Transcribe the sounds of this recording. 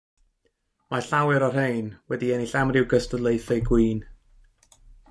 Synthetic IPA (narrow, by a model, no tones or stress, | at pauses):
maɬawɛɾɔrhejnwɛdiɛniɬamrɪwɡəstədlˠejθejɡwiːn